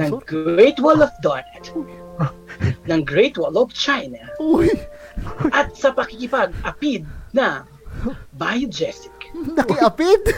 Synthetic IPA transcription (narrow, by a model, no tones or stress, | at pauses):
nɐŋɡɹɛjt̪wɔlɔfd̪ɔnɛt̪ | nɐŋɡɹɛjt̪̚wɔlɔft͡ʃajnɐj | ʔɐt̪̚sɐpɐkɪkɪpaɡ̚ʔɐpid̪̚nɐ | bajʊd͡ʒɛsɪknɐkɪʔɐpɪd̪